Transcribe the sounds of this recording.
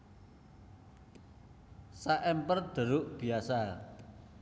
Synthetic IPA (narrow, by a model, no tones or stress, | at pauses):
saʔɛmpərd̪̥ə̤ɾʊʔb̥i̤asa